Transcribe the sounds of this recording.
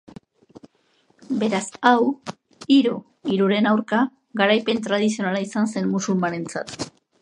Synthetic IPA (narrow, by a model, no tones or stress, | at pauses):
be̞ɾasaw | iɾu | iɾuɾe̞nawɾka | ɡaɾajpe̞nt̪ɾað̞isio̞nalaisanse̞nmusulmaɾe̞nt͡sa̰t̪